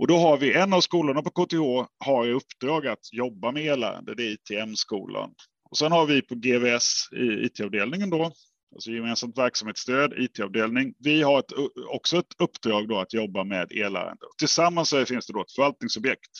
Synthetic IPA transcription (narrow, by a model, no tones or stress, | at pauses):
ɔd̪ɔɦaɾvɪʔɛnːavskuːlʊɳapɔkʰoːt̪ehoːhaɾɵpːd̪̥ɾɑːɡat̪jɔbːamɛeːɭæ̰ːɾa̰nd̪əd̪ɛɛiːt̪ʰeːɛmskṵːlʔa̰n | ɔsɛnhaɾvɪpʰɔɡeːvɛsɪ̰ḭːt̪ʰeɑːvd̪eːlnɪŋənd̪ɔ | ʔalsɔjɛmeːnsamt̪væɾksamheːt̪st̪øːd̪iːt̪ʰeːɑvd̪eːlnɪŋvɪɦaɾɛt̪ɔksɔɛt̪ʰɵpːd̪ɾɑːɡd̪ɔat̪jɔbːamɛ̰d̪ḛːɭæ̰ːɾa̰nd̪ə̰ɔt̪ʰɪlsamːansɛfɪnsd̪ɛd̪ɔɛt̪fœɾvalt̪̚nɪŋsɵbjɛkt̪